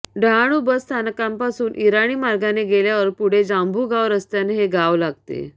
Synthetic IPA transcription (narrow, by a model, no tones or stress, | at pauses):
ɖʱaɽ̃uːbəst̪ʰanəkampasuːnʔiɾaɽ̃iːmaɾɡaneɡeljaʋəɾpuɽ̤ed͡zambʱuːɡaʋɾəst̪janeɦeɡaʋlaɡ̚t̪ḛ